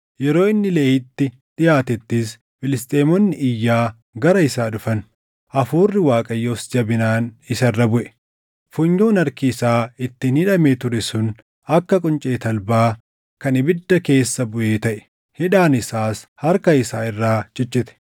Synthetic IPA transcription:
jɛɾo̞ːɪnːɪleːɪt̪ːɪ | ᶑɪjaːt̪ɛt̪ːɪs | fɪlɪst̪ʼeːmɔnːɪʔɪjːaː | ɡɐɾɐɪsaːᶑʊfɐn | ʔɐfuːrːɪwaːkʼɐjːoːsd͡ʒɐbɪnaːnɪsɐrːɐbʊʔɛ̥ | fʊɲːoːnɐɾkɪːsaːɪt̪ːɪnhɪᶑɐmeːt̪ʊɾɛsʊn | ɐkːɐkʼʊnt͡ʃʼe̞ːt̪ɐlbaː | kɐnɪbɪd̪ːɐke̞ːsːɐbʊʔeːt̪ɐʔɛ̥ | hɪᶑaːnɪsaːshɐɾkɐɪsaːɪrːaːd͡ʒɛt͡ʃːɪt̪ɛ̥

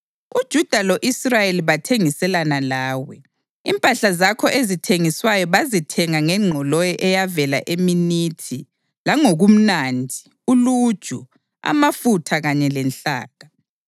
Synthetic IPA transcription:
ud̥ʒ̥ʱud̥ʱaloʔisrajeliβatʰeŋisɛlanalaːwɛ | impʼaɬazakʰɔʔezitʰeŋiswajɔβazitʰɛŋaŋɛŋ͡ǃʱɔlɔjɔʔɛjavɛla̰ʔeminitʰi | laŋoɣum̩nandʱi | ulud̥ʒ̥ʱu | a̰mafutʰaɣaɲɛlɛnɬa̰ːɣa

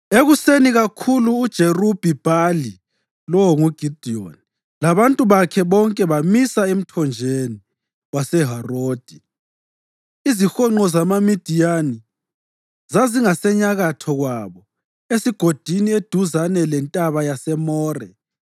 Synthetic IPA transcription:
eɣuseniɣakʰuluːd̥ʒ̥ʱerub̥ʱib̥ʱali | lɔwɔŋuɡ̥ʱid̥ʱiɔ̰ni | laβantʼuβakʰɛβɔŋkʼɛβamisaem̩tʰɔnd͡ʒʱeni | wasɛɦaroːd̥ʱi̥ | izixɔŋ͡ǃɔzamamid̥ʱijani | zaziŋasɛɲaɣatʰɔɣwaβɔ | esiɡ̥ʱod̥ʱinied̥ʱuzanɛlɛntʼaβajasɛmɔːrɛ

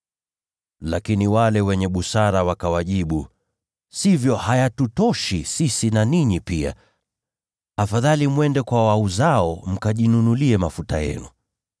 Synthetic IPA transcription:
lakiniwalɛwɛɲɛɓusaɾawakawaʄiɓu | sivjɔhajatutɔʃisisinaniɲipia̰ | afaðalimwɛndɛkwawauzaɔm̩kaʄinunuliɛmafuta̰jɛ̰nu

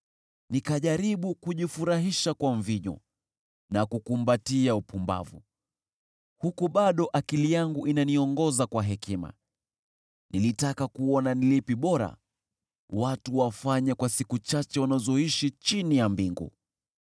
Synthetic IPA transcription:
nikaʄaɾiɓukuʄifuɾaɦiʃakwaɱviɲɔ̰ | nakukumbatiaupʰumba̰vṵ | hukuɓaɗɔʔakilijaŋɡuʔinaniɔŋɡɔzakwaɦɛkʰima̰ | nilitakakuɔnanilipiɓɔɾa̰ | watuwafaɲakwasikut͡ʃat͡ʃɛwanazɔiʃit͡ʃinijambiŋɡṵ

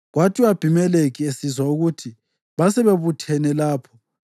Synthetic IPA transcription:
ɣwatʰiab̥ʱimɛlekʰiesizwauɣutʰi | βasɛβeβutʰɛnɛlaːpʰɔ̥

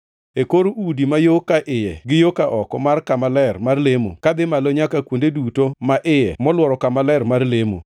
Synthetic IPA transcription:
ekoɾudimajokaʔɪjɛ̰ɡɪjokaʔɔkɔmarkamalɛrmarlemo̰kad̪ɪmaloɲakakwondedutomaʔɪjɛmɔlwɔɾɔkamalɛɾmarlemo̰

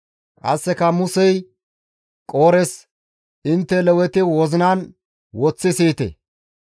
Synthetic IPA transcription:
ʔɐ̰sːɛkɐmʊsɛj | kʼoːɾɛs | ʔɪnt̪ːɛlɛwɛt̪ɪwɔzɪnaːn | wɔt͡sːɪsiːt̪ḛ

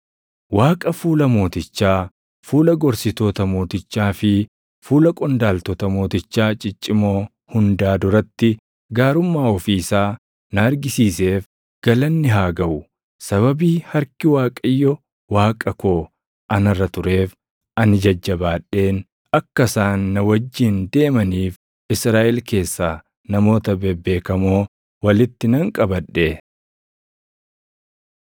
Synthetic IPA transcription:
waːkʼɐfuːlɐmo̞ːt̪ɪt͡ʃːaː | fuːlɐɡɔɾsɪt̪oːt̪ɐmo̞ːt̪ɪt͡ʃːaːfɪ | fuːlɐkʼɔnd̪aːlt̪ɔːt̪ɐmo̞ːt̪ɪt͡ʃːaːt͡ʃʼɪt͡ʃʼːɪmoː | hʊnd̪aːd̪ʊɾɐt̪ːɪ | ɡaːɾʊmːaːɔfiːɪsaː | nɐɐɾɡɪsiːse̞ːf | ɡ̥ɐlɐnːɪɦaːɡɐʔʊ | sɐβɐbiːhɐɾkɪwaːkʼɐjːɔ | waːkʼɐkoː | ʔɐnɐrːɐt̪ʊɾe̞ːf | ʔɐnɪd͡ʒɐd͡ʒːɐbaːᶑe̞ːn | ɐkːɐsaːnːɐwɐd͡ʒːɪnd̪e̞ːmɐniːf | ʔɪsɾaːʔɛlke̞ːsːaː | nɐmo̞ːt̪ɐbebːe̞ːkɐmoː | wɐlɪt̪ːɪnɐŋkʼɐbɐᶑeː

